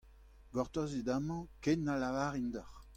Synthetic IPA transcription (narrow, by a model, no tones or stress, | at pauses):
ɡɔʁt̪ɔzid̪amɑ̃kenːalavaːʁind̪ɔχ